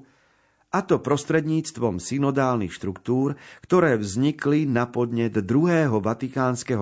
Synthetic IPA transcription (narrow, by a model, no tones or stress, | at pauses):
at̪ɔpɾɔst̪ɾɛd̪ɲiːt͡st̪ʋɔmsinɔd̪aːlnixʃt̪ɾukt̪uːɾkt̪ɔɾɛːvzɲiklinapɔd̪ɲɛd̪d̪ɾuɦɛːɦɔʋat̪ikaːnskɛɦɔ